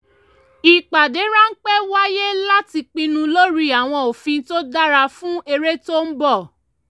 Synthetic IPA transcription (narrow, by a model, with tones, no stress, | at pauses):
i˨k͡pa˨de˨˦ɾa˦n̩˦k͡pɛ˦wa˦je˦la˦ti˧k͡pĩ˧nũ˧lo˦ɾi˧a˨w̃ɔ̃˧o˨fĩ˧˦to˦da˦ɾa˧fũ˦e˧ɾe˦to˦n̩˦bɔ˦˨